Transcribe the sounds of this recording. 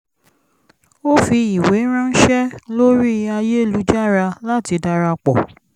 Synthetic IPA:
o˦fi˧i˨we˨˦ɾ̃ã˦n̩˦ʃɛ˦lo˦ɾi˦a˧je˦˨lu˨˦d͡ʒa˦˨ɾa˧la˦ti˧da˧ɾa˧k͡pɔ̰˨

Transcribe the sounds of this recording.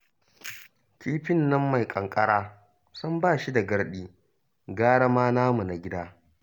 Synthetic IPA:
kʲiː˦ɸɪ˦nːɐ˦mːa˨jkʼɐ˨ŋkʼɐ˦ɽaː˦ | sɐ˦mbaː˦˨ʃi˦da˨ɡɐ˦ɽɗiː˦ | ɡaː˦ɽɐ˦maː˦naː˦mu˨na˨ɡʲɪ˦daː˦

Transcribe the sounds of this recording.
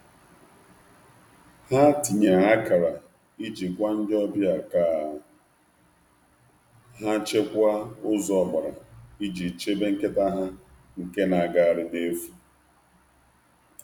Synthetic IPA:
ha˦ti˨ɲe˨a˦ka˨ɾa˨ | i˦d͡ʒi˨kʷa˦n̩˦d͡ʒɔ˦bja˨kaː˦˨ | ɦa˦t͡ʃe˦kʷa˦ʊ˦zɔ˨ba˨ɾa˨i˦d͡ʒi˨t͡ʃe˦be˦ŋ̩˦ke˦ta˦ɦa˦ | ŋ̩˨ke˦na˨ɡa˨a˨ɾɪ˨de˦fu˦

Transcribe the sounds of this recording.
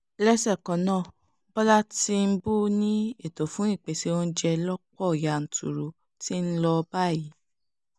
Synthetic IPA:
lɛ˦sɛ˦˨kɔ̃˨nãː˦˨ | bɔ˦la˦ti˧m̩˦bu˦nĩ˦e˦˨to˨fũ˨˦i˦˨k͡pe˨si˧˦wɔ̃˦n̩˦d͡ʒɛ˧lɔ˦k͡pɔ˦˨ja˨n̩˨tṵ˨ɾu˨ | ti˦n̩˦lɔ˧ba˦˨i˨˦

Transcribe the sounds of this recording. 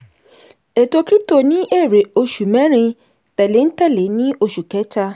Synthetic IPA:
e˨to˦kɾi˦p̚to˨nĩ˦ʔe˦˨ɾe˨o˧ʃu˨mɛ̃˦ɾĩ˧ | tɛ˨le˨n̩˦tɛ˦˨le˨˦nĩ˦o˧ʃu˨kɛ˨˦t͡ʃa˦

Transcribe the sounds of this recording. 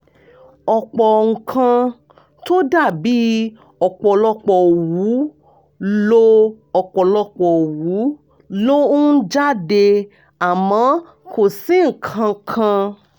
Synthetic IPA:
ɔ˧k͡pɔ˨ŋ̩˨kʰã˧ | to˦da˦˨bi˨˦ | ɔ˧k͡pɔ˨lɔ˧k͡pɔ˧˨wu˨˦ | lo˦ | ɔ˧˨k͡pɔ˨lɔ˧k͡pɔ˨wu˨˦ | lo˦ũ˦d͡ʒa˦˨de˧ | a˨mɔ̃˨˦ | kʰo˨si˨˦ŋ̩˨kʰã˧kʰã˧

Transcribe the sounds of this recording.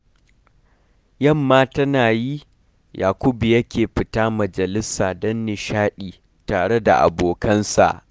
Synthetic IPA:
jɐ˦˨mːaː˦tɐ˦naː˨ji˦ | jaː˨kʷʊ˦bi˨jɐ˦kʲeː˨ɸɪ˨taː˦mɐ˨d͡ʒɐ˨lɪ˦saː˨dɐ˦nːɪ˨ʃaː˦ɗiː˨ | taː˨ɽe˦da̰˨ʔa̰˨boː˨kɐ˦nsa̰˨ʔ

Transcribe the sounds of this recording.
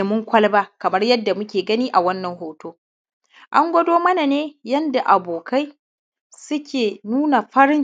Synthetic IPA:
e˨mʊ˦ŋkʷɐ˦lbaː˦kɐ˨mɐ˦rjɐ˦dːa˨mʊ˦kʲeː˨ɡɐ˦niː˦ʔa˨wɐ˦nːɐ˨ŋhoː˨toː˦ | ʔa˦ŋɡʷɐ˦doː˦mɐ˦na˨neː˦jɐ˦nda˨ʔa˨boː˨kʰa˦j | sʊ˦kʲʰeː˨nuː˦na˨ɸɐ˦ɾɪ˦n

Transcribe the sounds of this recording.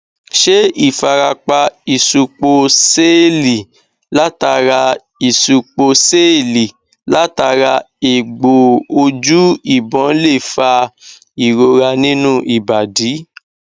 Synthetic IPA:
ʃe˦i˦˨fa˧ɾa˧k͡pa˧i˨su˧k͡po˧se˦˨li˨ | la˦ta˧ɾa˧ | i˨su˨k͡po˧se˦˨li˨ | la˦ta˧ɾa˧ | e˨ɡ͡bo˨o˧d͡ʒu˦i˦˨bɔ̃˨˦le˦˨fa˧ | i˨ɾo˧ɾa˧nĩ˦nũ˦ʔi˨ba˨di˨˦

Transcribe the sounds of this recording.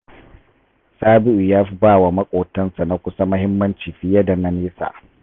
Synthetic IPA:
saː˦bɪ˦ʔu˨jaː˦ɸi˦baː˦˨wa˨mɐ˦kʷʼoː˨tɐ˦nsa˨na˦kʷʊ˦sa˦mɐ˦hɪ˦mːɐ˦nt͡ʃiː˨ɸi˦jɐ˦da˨nɐ˨neː˦sa̰ː˨

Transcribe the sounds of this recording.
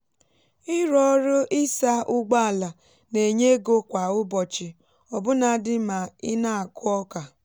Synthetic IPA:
ɪ˦ɾɔ˦ɾʊ˦ʔɪ˦sa˦ʔʊ˦ɡ͡ba˦a˨la˨ | ne˨ɲe˦ɡo˦kʷa˨ʊ˦bɔ˨t͡ʃɪ˨ | ɔ˨bʊ˦na˨dɪ˦ma˨ɪ˦na˦a˨kʊ˦ɔ˦ka˨

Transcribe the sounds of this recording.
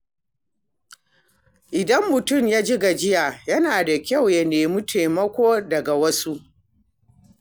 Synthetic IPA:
ʔɪ˨dɐ˦mːʊ˨tʊ˦˨mjaː˦d͡ʒɪ˦ɡa˨d͡ʒɪ˦jaː˨jɐ˦naː˨da˨kʲa˦˨wjɐ˨neː˨mʊ˦tʰeː˨mɐ˦kʷoː˦dɐ˨ɡa˨wɐ˦su˦ʔ

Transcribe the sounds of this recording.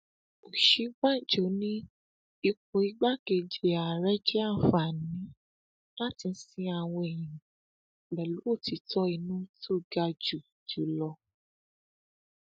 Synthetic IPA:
o˨ʃi˨˦ɡ͡ba˦˨d͡ʒo˨˦nĩ˦ | i˧ko˧i˨˦ɡ͡ba˦ɡe˧d͡ʒe˧a˨ɾɛ˦d͡ʒɛ˦a˦˨fa˨nĩ˨˦ | la˦˨ti˧n̩˦sĩ˧a˧w̃ɔ̃˧e˨j̃ĩ˨ | ɡ͡bɛ˨lu˨˦o˦˨ti˨˧˦tɔ˦i˧nũ˦to˦˨ɡa˧d͡ʒu˨ | d͡ʒu˨˦lɔ˧

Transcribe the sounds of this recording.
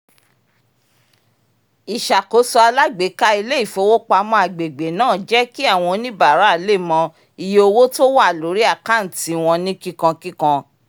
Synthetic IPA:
i˨ʃa˨ko˨˦sɔ˧a˧la˦ɡ͡be˨˦ka˦i˧le˦i˦˨fo˨˧˦wo˦k͡pa˧mɔ̃˧a˨ɡ͡be˨ɡ͡be˨nãː˦˨d͡ʒɛ˦ki˦a˦˨w̃ɔ̃˧nĩ˦ba˦˨ɾa˨˦˨le˦˨mɔ̃˧ | i˧je˧o˧wo˦to˦wa˦˨lo˨˦ɾi˦a˦˨ka˦˨n̩˨ti˨˧w̃ɔ̃˧nĩ˦ki˦kã˧ki˦kã˧

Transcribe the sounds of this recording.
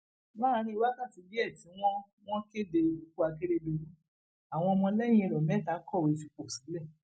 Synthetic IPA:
ba˦˨˧ɾ̃ĩ˧i˧wa˦ka˦˨ti˧˦bi˦ɛ˦˨ti˨˦w̃ɔ̃˦ | w̃ɔ̃˦ke˦de˧u˨ku˦a˧ke˦ɾe˧˦du˧ɾu˦ | a˨w̃ɔ̃˧mɔ̃˧lɛ˦j̃ĩ˦˧˨ɾɔ˨mɛ˨˦˨ta˨˦kɔ˦˨we˨˧fi˧k͡po˨sĩ˨˦lɛ˦˨

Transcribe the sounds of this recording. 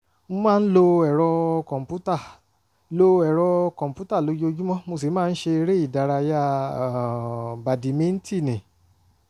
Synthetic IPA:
m̩̃˦mãː˦˧n̩˦lo˧ɛ˨ɾɔ˧kɔ̃˨m˨pu˦ta˦˨ | lo˧ɛ˨ɾɔ˧kɔ̃˨m˨pu˦ta˦˨lo˨˦jo˧˦d͡ʒu˦mɔ̃˦mo˧s̬e˨˦ãː˦˧n̩˦ʃe˧ɾe˦i˦˨da˨˧ɾa˧ja˦˨ | ba˨di˨˦mĩ˦n̩˦ti˦˨nɛ̃˨

